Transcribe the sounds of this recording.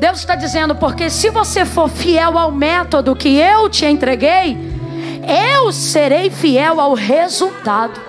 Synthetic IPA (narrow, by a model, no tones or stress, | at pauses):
d̪ewzɪʃt̪ad͡ʒizẽnd̪ʊpoɾkesɪvosefoɾfiɛwawmɛt̪od̪ʊkɪewt͡ʃɪẽnt̪ɾeɡej | ewseɾejfiɛwawɦezuwt̪ad̪ʊ